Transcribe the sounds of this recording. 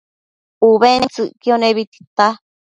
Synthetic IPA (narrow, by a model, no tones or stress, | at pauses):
uβenĩt͡sɨʔkionẽβit̪i̥t̪a